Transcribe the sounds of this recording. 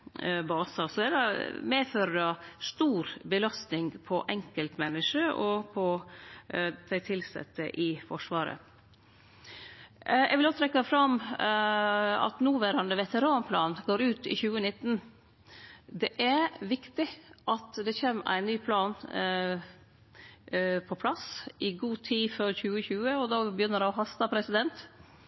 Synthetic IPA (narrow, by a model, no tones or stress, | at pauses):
bɑːsɑsɔd̪æd̪ɑmeːføːɾəɖɑst̪uːɾbəlɑst̪nɪŋpʰɔʔɛŋkəlt̪mɛnːɪʂəʔɔpʰɔ | d̪̥ʰæɪt̪ʰɪlsɛ̰t̪ːəʔɪfɔʂʋɑːɾə̰ | ɛ̰ɡʋɪlɔt̪ʰɾɛkːɑfɾɑm | ɑ̰t̪nuːʋæːɾɑnd̪əʋɛt̪əɾɑːnpʰlɑːnɡoːɾʉːt̪ɪ̰çʉːənɪt̪ːn | d̪ɛʔæʋɪkt̪ɪʔɑt̪d̪ɛçeːmʔæ̰ɪnːyːpʰlɑːn | pʰɔpʰlɑsɪɡuːt̪ʰiːføɾçʉːəçʉːəɔd̪ɑːbəjʏnːəɾɛɔɦɑst̪ɑpʰɾɛsɪd̪ɛnt̪